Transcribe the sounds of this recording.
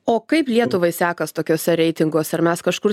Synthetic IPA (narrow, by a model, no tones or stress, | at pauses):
oːkɐɪplʲiɛt̪ʊʋɐɪsʲæːkɐst̪oːkʲoːsʲɛɾʲɛɪt̪ʲɪŋɡoːsʲɛɐɾmʲɛskɐʃkʊɾ